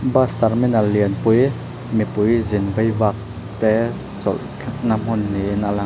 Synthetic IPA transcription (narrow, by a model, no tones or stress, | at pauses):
bast̪ɐrminɐlːiənpʊj | mipʊjzɪnvɐjvaːk̚ | t̪ɛ | t͡sɔ̰l | kʰk̚nam̥ɔnːinalaŋ